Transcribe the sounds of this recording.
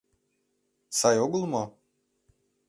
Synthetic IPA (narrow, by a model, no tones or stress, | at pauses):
sajoɡulˠmɔ